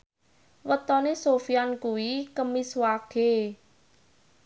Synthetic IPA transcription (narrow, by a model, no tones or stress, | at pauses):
wət̪ɔnesofiankuwikəmiswaɡ̥e